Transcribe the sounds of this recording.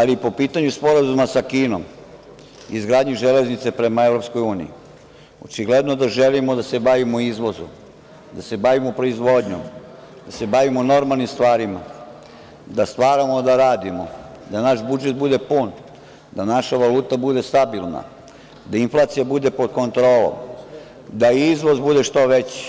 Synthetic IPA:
alipo̞piːt̪aɲuspo̞ɾazumasakiːno̞m | izɡɾaːd̪ɲiʒele̞znit̪se̞pɾe̞maevɾo̞psko̞juːnijḭ | ot͡ʃiɡled̪nod̪aʒelimo̞d̪ase̞baʋimoizʋo̞zu | d̪ase̞baʋimopɾo̞izʋo̞d̪ɲo̰m | d̪ase̞baʋimono̞ɾmalˠnimst̪ʋaːɾima | d̪ast̪ʋaːɾamo̞d̪aɾaːd̪imo | d̪anaʃbud͡ʒet̪̚bud̪e̞pun | d̪anaʃaʋaluːt̪abud̪e̞st̪abilˠna̰ | d̪ainflˠaːt̪sijabud̪e̞pod̪̚ko̞nt̪ɾo̞ːlo̰m | d̪aizʋo̞zbud̪e̞ʃt̪oʋet͡ɕi̥

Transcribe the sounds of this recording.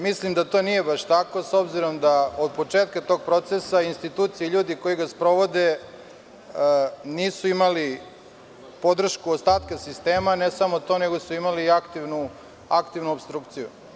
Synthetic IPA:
mislimd̪at̪o̞nije̞baʃt̪ako̞so̞bziɾo̞md̪aod̪̚po̞t͡ʂeːt̪kat̪o̞ɡ̚pɾo̞t̪sesainst̪it̪uːt̪sijeiʎuːd̪iko̞jiɡaspɾo̞ʋo̞d̪e | niːsuimali | po̞d̪r̩ʃkuost̪aːt̪kasist̪eːmanesamot̪o̞ne̞ɡo̞suimaliakt̪iʋnu | akt̪iʋnuobst̪ɾuːkt̪sijṵ

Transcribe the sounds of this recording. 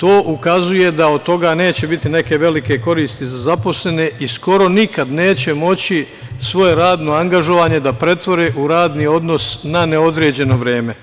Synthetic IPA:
t̪oːʔukazuje̞d̪ao̞d̪̚t̪o̞ɡaːne̞ːt͡ɕe̞bit̪ine̞ke̞ʋe̞like̞ko̞ɾiːst̪izazapo̞sle̞ne̞ʔisko̞ɾo̞nikad̪ne̞ːt͡ɕe̞mo̞t͡ɕi | sʋo̞je̞ɾaːd̪no̞aŋɡaʒo̞ʋaːɲe̞d̪apɾe̞t̪ʋo̞ɾeːʔuɾaːd̪nio̞d̪no̞snaneod̪ɾeːd͡ʑe̞no̞ʋɾeːme̞

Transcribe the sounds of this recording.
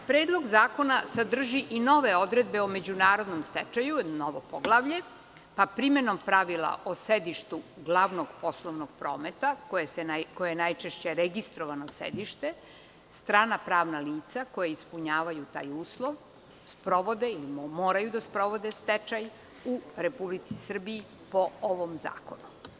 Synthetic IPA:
pɾeːd̪lˠo̞ɡzaːko̞nasad̪r̩ʒiʔino̞ʋe̞o̞d̪ɾed̪be̞ome̞d͡ʑunaːɾo̞d̪nomst̪et͡ʃajunoʋopoɡlˠaʋʎe̞ | papɾime̞no̞mpɾaʋila̰ʔosed̪iʃt̪uɡlˠaʋnoɡpo̞slˠoʋnoɡ̥̚pɾoːmet̪akojesekojejenajt͡ʃeʃt͡ɕeɾeɡist̪ɾoʋanosḛd̪iʃt̪e | st̪ɾaːnapɾaːʋnaliːt̪sako̞jaispuɲaːʋajut̪a̰ːjuːslˠo̞ʋ | spɾo̞ʋo̞d̪eilimoːɾajud̪aspɾo̞ʋo̞d̪est̪et͡ʃaj | uɾepublit̪si̥sr̩biː | pooʋomza̰ːko̞nu

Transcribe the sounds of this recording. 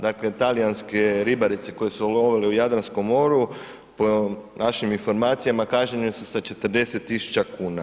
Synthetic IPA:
d̪aːkle̞t̪alijanske̞ɾibaɾit̪se̞ko̞jesuoloʋeleujad̪ɾansko̞mːo̞ɾu | ponaʃiminfo̞ɾmaːt̪sijamakaʃɲeɲesusat͡ʃe̞t̪ɾ̩d̪e̞se̞t̪ːisu̥t͡ʃakuːna

